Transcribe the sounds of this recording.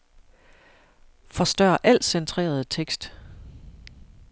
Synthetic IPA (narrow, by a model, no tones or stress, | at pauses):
fɒ̽sd̥ɶːɐʔæl̰sent͡sʰʁḛːɐð̞ˠt͡sʰeɡ̥sd̥